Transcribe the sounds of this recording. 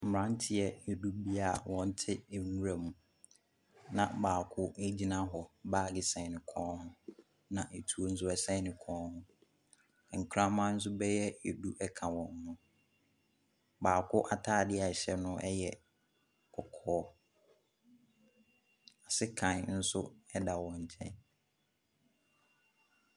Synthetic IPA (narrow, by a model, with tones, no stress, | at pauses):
m̩˨m̩˨ɾã˨˦n̩˦tʰɪ˦jɛ˨jɛ˨du˦bi˦a˦˨wɔ̃˨n̩˦tʰɪ˦˨nũ˦ɾa˨mũ˨ | nã˨baː˨kʰʊ˦e˦d͡ʑi˦nã˦ɦɔ˨baː˦˨ɡɪ˨sɛ̃˨nɪ̃˨kʰɔ̃ː˦nhʊ̃˦ | nã˨ʔe˨tʰu˨o˦n̩˦sʊ˦ɛ˨sɛ̃˦nɪ̃˨kʰɔ̃ː˦nhʊ̃˦˨ | ŋ̩˨kʰɾã˦mã˦n̩˦s̬ʊ˦bɛ˦jɛ˦ɛ˨du˦ʔɛ˦kʰã˨wɔ̃˨n̩˨nʊ̃˨ | baː˨kʰʊ˦ʔa˦tʰaː˦˨dɪ˦a˨ɕɛ˦nʊ̃˦ʔɛ˦jɛ˨ | kʰɔ˨kʰɔː˦ | a˨sɪ˦kʰã˨n˨n̩˦sʊ˦ɛ˦da˨wɔ̃˨ɲ̩˨t͡ɕʰɛ̰̃˦n